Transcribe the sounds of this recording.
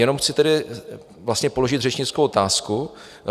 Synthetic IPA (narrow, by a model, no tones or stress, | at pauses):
jɛno̞mxt͡sɪt̪ɛdɪ | vlast̪ɲɛpo̞lo̞ʒɪt̪rɛt͡ʃɲɪt͡skowʔot̪aːsku